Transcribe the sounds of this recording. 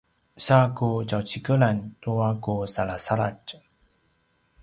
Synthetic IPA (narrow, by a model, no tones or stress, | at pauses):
sakud͡ʒawt͡ɕikəlantuakusalasala̰t͡ʃ